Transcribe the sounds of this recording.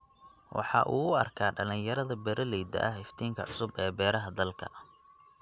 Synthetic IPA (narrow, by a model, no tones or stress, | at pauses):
wʔɑ̰ħɑ̰ːʔuːʊɐ̰rkʰaːɖɐlɪŋjɐɾɐðɐbɛɾʔɐlɛjd̪ɐ̰ʔɐhɪft̪ʰiːŋkʰɐʕʊsʊbɛːbɛːɾɐɦɐd̪ɐlkʰɐ̰